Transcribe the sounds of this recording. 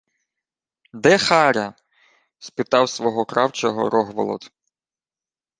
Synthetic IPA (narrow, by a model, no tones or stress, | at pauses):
d̪ɛxɑɾʲɐ | spɪt̪ɑwsʋɔɦɔkɾɑwt͡ʃɔɦɔ̰ɾɔɦʋɔlˠɔ̰d̪